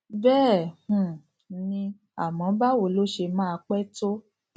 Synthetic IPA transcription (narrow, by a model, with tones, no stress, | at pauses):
bɛː˦˨h̩˨˧˨ | nĩ˧ | a̰˨mɔ̃˨˦ba˦wo˨˦lo˦ʃe˧mãː˦˧k͡pɛ˦to˦